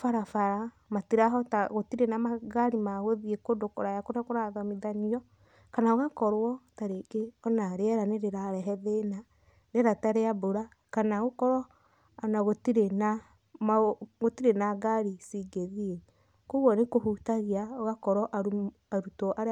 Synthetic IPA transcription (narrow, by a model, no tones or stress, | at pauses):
faɾafaɾamatiɾaɦɔtaɣotiɾenamaɣaɾimaɣoðiekodokoɾajakoɾakoɾaɣamiðaniɔ | kanaoɣakɔɾwɔtaɾeɡeɔnaɾeɛɾaneɾeɾaɾɛɦɛðena | ɾeɾataɾeaboɾa | kanaɣokɔɾɔ | anaɣotiɾena | mɣotiɾenaɡaɾisiɡeðie | koɣɔnekohutaɣiaoɣakɔɾɔʔau | aɾutɔʔaɾ